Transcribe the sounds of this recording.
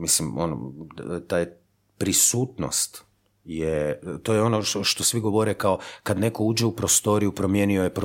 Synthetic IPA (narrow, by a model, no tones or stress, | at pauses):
mislimo̰no̰t̪aːj | pɾisuːt̪no̰st̪ | jet̪oːjeo̞noʃt̪osʋiɡo̞ʋoɾekaokad̪ne̞kouːd͡ʑeupɾost̪o̞ɾijupɾo̞mje̞ːniojepɾ